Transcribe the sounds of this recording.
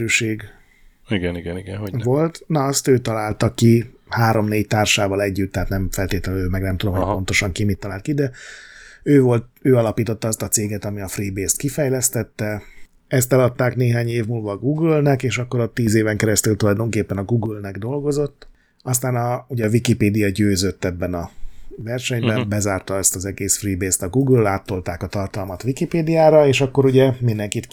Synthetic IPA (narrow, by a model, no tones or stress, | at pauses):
yːʃeːɡ | iɡɛniɡɛniɡɛnɦovo̞lt̪nɒɒst̪øːt̪ɒlaːlt̪ɒkːihaːɾo̞mneːct̪aːrʃaːvɒlɛɟːyt̪ːɛɦaːt̪nɛɱfɛlt̪eːt̪lɛnømɛɡnɛmt̪ud̪omɦoo̞nt̪o̞ʃɒŋkimit̪ːɒlaːlt̪kid̪ɛ | øːvo̞lt̪øːɒlɒpiːt̪o̞t̪ːɒɒst̪ɒt̪seːɡɛt̪ɒmiɒfribeːst̪kifɛjlɛst̪ɛt̪ːɛ | ɛst̪ɛlɒt̪ːaːkneːɦaːɲeːvmuːlvɒːɡuːɡylnɛkeːʃɒkːo̞ɾo̞t̪ːiːzeːvɛŋkɛɾɛst̪ylt̪ulɒjd̪o̞ŋkeːpːɛnɒɡuːɡylnɛɡd̪o̞lɡo̞zo̞t̪ː | ɒst̪aːnɒuɟɛːvikipeːd̪ijɒɟøːzøt̪ːɛbːɛnɒvɛrʃɛɲbɛmbɛzaːrt̪ɒɛst̪ɒzɛɡeːsfriːbeːst̪ɒɡuːɡlːaːt̪ːo̞lt̪aːkɒt̪ɒrt̪ɒlmɒt̪ʋikipeːd̪ijaːɾɒeːʃɒkːo̞ɾuɟɛmind̪ɛŋkit̪